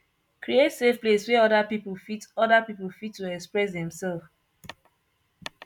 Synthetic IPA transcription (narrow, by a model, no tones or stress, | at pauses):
kɾietsefpleswɛɔdapipolfitɔdapipolfitːuɛkspɹɛs̬dɛ̃msɛlf